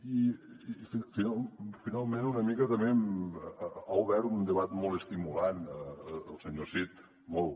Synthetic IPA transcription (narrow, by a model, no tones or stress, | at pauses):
ififinalfinalˠmenunəmikət̪əmem | auβɛɾt̪und̪əβat̪mɔlˠəst̪imulanəlˠsəɲosit̪ | mɔlˠ